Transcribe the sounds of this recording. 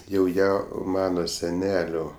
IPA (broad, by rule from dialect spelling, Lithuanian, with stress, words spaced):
jɛʊ ˈjæː ˈmɑːnoː sʲɛˈnʲæːlʲoː